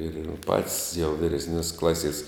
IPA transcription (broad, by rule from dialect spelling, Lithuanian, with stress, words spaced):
ɪr jɛʊ pɐtʲsʲ jɛʊ ʋʲiːrʲɛsʲˈnʲoːsʲ ˈklˠɑːsʲiɛs